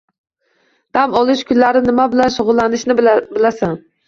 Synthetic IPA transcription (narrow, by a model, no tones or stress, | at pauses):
d̪̥amɒlˠɪʃkʰʲʊnlaɾɪnɪmabɪlanʃʊʁʊlˠːanɪʃnɪbɪlasan